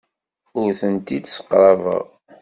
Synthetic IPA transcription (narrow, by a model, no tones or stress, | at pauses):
ʊɾθənt̪id̪sə̥qːɾˤɑvə̰ʁ